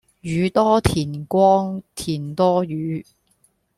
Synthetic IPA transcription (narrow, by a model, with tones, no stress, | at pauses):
jyː˨˧˥t̪ɔː˥t̪ʰiː˨˩nkʷɔː˥ŋt̪ʰiː˨˩nt̪ɔː˥jyː˨˧˦